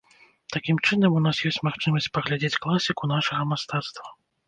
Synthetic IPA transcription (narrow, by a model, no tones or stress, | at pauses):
t̪akʲimt͡ʂɨnɐmunasjɔsʲt͡sʲmaxt͡ʂɨmɐsʲt͡sʲpɐɣlʲad͡zʲet͡sʲklˠasʲikunaʂɐɣɐmast̪at̪st̪vɐ